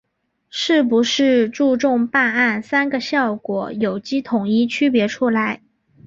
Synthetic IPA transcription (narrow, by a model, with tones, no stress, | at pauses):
ʂɻ̩˥˩pu˧˥ʂɻ̩˥˧ʈ͡ʂu˥˧ʈ͡ʂʊ˥˧ŋpa˥˧na˥˩nsa˥nɡə˨ɕjɑ˥˩ʊkwɔ̰˨˧˥jo˨˩ʊt͡ɕi˥t̪ʰʊ˨˩ŋi˥˩t͡ɕʰy˥pjɛ˧˥ʈ͡ʂʰu˥la˧˥ɪ